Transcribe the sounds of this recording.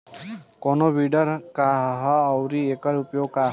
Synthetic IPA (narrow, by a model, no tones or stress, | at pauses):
kɔnobiɖəɾkaɦːwɾiekəɾupjoɡ̚ka